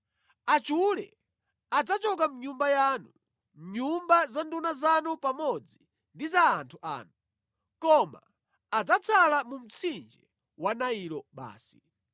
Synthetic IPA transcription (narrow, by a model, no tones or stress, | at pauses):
at͡ʃulɛ̰ | ad͡zat͡ʃɔk̬am̩ɲumbajaːnu | m̩ɲumbazandunazanupamɔd͡zi | ndizaːntʰuʔa̰ːnu | kɔmaː | d͡zat͡sʰalamum̩t͡sʰind͡ʒɛ | wanailɔɓa̰ːsi̥